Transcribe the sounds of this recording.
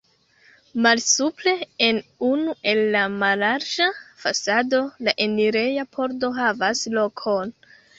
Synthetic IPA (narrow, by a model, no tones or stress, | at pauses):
malsuple̞enunuʔe̞lːamalaɾd͡ʒafasado̞laʔeniɾe̞japʰo̞ɾdo̞ɦavaslo̞kʰo̞n